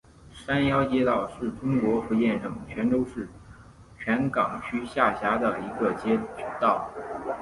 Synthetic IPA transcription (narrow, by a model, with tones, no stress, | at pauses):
ʂa˥njɑ˥ʊt͡ɕjɛ˥t̪ɑ˥˩ʊʂɻ̩˥˩ʈ͡ʂʊ˥ŋkwɔ˧˥xɤ˧˥jɛ˥˧nʂɤ˨˩ŋt͡ɕʰɥɛ˧˥nʈ͡ʂo˥ʊʂɻ̩˥˩ | t͡ɕʰɥa˧˥nkɑ˨˩ŋt͡ɕʰy˥ɕja˥˩ɕja˧˥d̪ə˨i˧˥ɡə˧t͡ɕjɛ˥t͡ɕy˨˩t̪ɑ˥˩ʊ